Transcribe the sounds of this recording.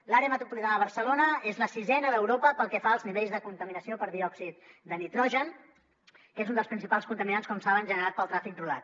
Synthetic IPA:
laɾeəmət̪ɾupulit̪anəəβəɾsəlonəezləsizɛnəðəwɾopəpəlˠkɛfaəlˠzniβeʎzðəkunt̪əminəsiopəɾðiɔksit̪̚d̪ənit̪ɾɔʒən | kezund̪əlspɾinsipalˠskunt̪əminanskɔmsaβənʒənəɾat̪̚pəlˠt̪ɾafik̚rula̰t̪̚

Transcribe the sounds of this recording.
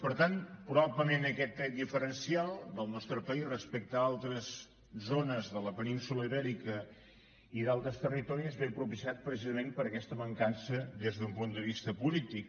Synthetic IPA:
pəɾt̪anpɾuβabləmenəkɛt̪ːɛd̪ifəɾənsialˠd̪əlˠnɔst̪ɾəpəizrəspɛk̚t̪əalˠt̪ɾəz | zonəzðələpəninsuləiβɛɾikə | iðalˠt̪ɾəst̪ərit̪ɔɾiəzβepɾupisiat̪̚pɾəsizəmempəɾəkɛst̪əməŋkansəd̪ezðumpund̪əβist̪əpulit̪ik̚

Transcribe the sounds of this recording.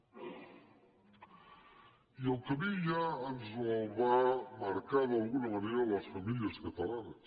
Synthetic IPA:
ielkamiʒaːnzoβamaɾkaɾðalˠɣunɐmaneɾalɐsfamiljaskat̪alanɐs

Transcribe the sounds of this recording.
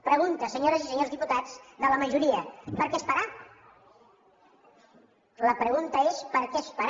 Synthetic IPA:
pɾəɣunt̪əsəɲoɾəzisəɲozðiput̪ad͡zðələməʒuɾiəpəɾkɛespəɾa | ləpɾəɣ̞unt̪əespəɾkɛspəɾ

